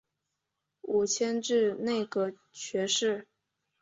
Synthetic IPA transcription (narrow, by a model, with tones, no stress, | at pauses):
u˨˩t͡ɕʰjɛ˥nʈ͡ʂɻ̩˥˧ne˥˩ɪɡə˩ | t͡ɕʰɥɛ˧˥ʂɻ̩˥˩